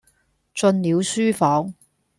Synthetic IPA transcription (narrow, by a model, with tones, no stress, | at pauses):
t͡sɵ˧nliː˨˧wsyː˥fɔː˨˥ŋ